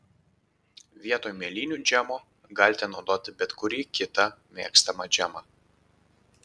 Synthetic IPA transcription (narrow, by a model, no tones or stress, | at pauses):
ʋʲiɛt̪oːjmʲeɛlʲiːnʲuːd͡ʒʲæmoː | ɡɐlʲt̪ʲɛnɒʊd̪oːt̪ʲɪbʲɛt̪kʊɾʲiːkʲɪt̪ɐmʲeːkst̪ɐmɐd͡ʒʲæmɑ